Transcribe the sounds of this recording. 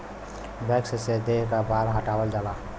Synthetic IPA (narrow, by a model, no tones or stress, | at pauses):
bɛksesed̪eɦkabaɾɦəʈabəld͡ʒala